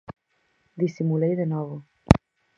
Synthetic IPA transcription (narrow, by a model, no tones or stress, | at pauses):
d̪isimulejd̪enavə